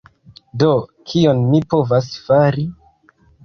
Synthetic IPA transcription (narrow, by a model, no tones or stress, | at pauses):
do̞kʰio̞nmipo̞vasfaɾi